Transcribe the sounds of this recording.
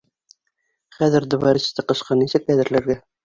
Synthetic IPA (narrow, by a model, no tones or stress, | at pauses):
χæðɘ̆ɾd̪ŏβɑɾɘ̆ɕɘ̥̆t̪ɘqɤ̆ʃqɑnisɘk̚ːæðɘ̆ɾlæɾɡæ